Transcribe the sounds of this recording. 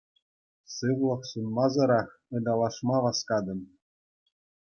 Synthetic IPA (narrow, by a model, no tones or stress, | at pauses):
sɯʋlˠɤ̆χsunmɑzɤ̆ɾɑχɤ̆d̪ʲɑlˠɑʂmɑʋɑskɑd̪ɤ̆n